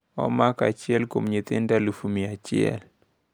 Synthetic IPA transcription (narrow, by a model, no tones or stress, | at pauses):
ɔ̰maka̰t͡ʃɪɛlko̰mɲɪt̪ɪndalufumiat͡ʃɪɛ̰l